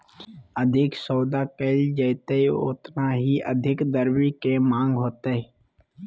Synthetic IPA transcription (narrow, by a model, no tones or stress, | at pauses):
əd̪ʱɪksoːd̪aːkeːld͡ʒəɪt̪eio̰ːt̪naɦiːʔə̰d̪ʱɪkd̪əɾwiːkemãːŋɡɦoːt̪eɦɛ